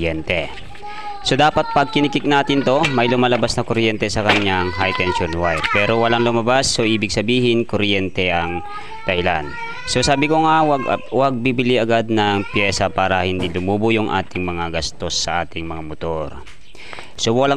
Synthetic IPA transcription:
ɛnt̪ɛ | so̞d̪aːpɐt̪̚pɐɡ̚kɪnɪkɪk̚naːt̪ɪnt̪o̞mɐjlʊmaːlɐbasnɐŋkoɾjɛnt̪ɛsɐkɐɲaŋɦajt̪ɛnʃonwajd̪̚pɛːɾowɐlaŋlʊmɐbasːoʔiːbɪɡ̚sɐbiːɦɪnkoɾjɛnt̪ɛʔɐŋ | d̪̥ɐhɪlan | so̞saːbɪko̞ŋawɐɡ̰wɐɡ̚bibɪliʔɐɡad̪̚nɐŋpjɛːsɐpaːɾɐhɪnd̪ilʊmuːbʊjʊŋʔa̰ːt̪ɪŋmɐŋaɡɐst̪o̞sːɐʔaːt̪ɪŋmɐŋamot̪o̞ɾ | so̞wɐla

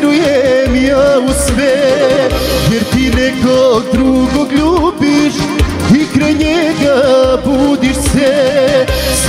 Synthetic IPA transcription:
ɾuemiɐusve | veɾt̪inekod̪ɾuɡoɡlupiʃkikɾeɲeɡɐbud̪iɾse | s

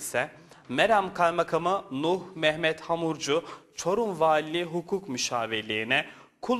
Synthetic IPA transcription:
sɛ | mɛɾamkʰajmakʰamɯnuhmɛhmɛt̪hamuɾd͡ʒut͡ʃʰo̞ɾumvaːlʲːiɦukʰukmyʃaːvelʲeɾinɛkʰu

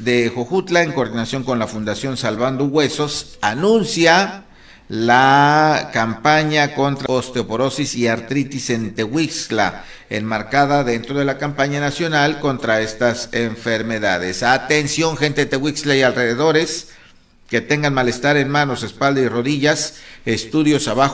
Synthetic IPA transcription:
ðexoxut̪laeŋkoɾðinasjo̞ŋko̞nlafund̪asjo̞nsalβand̪oɣwe̞sosanũnsja | lakampaɲakont̪ɾaost̪eopoɾosisiaɾt̪ɾit̪isent̪ewiksla̰ | ḛnmaɾkaðaðe̞nt̪ɾoð̞e̞lakampaɲanasjo̞nalko̞nt̪ɾae̞st̪aseɱfeɾme̞ða̰ðḛsat̪ensjo̞ŋxe̞nt̪et̪eɣwikslaialreðe̞ðo̞ɾe̞s | ke̞t̪e̞ŋɡanmale̞st̪aɾe̞nmano̞se̞spald̪airo̞ðiʝasest̪uðjo̞saβax

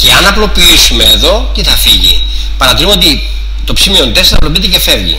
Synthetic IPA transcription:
ce̞ɐnɐplo̞piisume̞ːðo̞c̪eθɐfiʝḭ | pɐɾɐt̪iɾumo̞t̪̬i | t̪o̞psimio̞nt̪esɐploit̪ece̞fe̞vʝḭ

